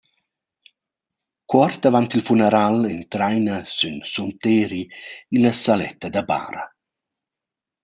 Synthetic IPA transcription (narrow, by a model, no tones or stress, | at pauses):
kwɔrt̪avant̪ilfunɛɾalɛnt̪ɾajnasynsunt̪eːɾiilasalɛ̰t̪ːad̪aba̰ːɾa̰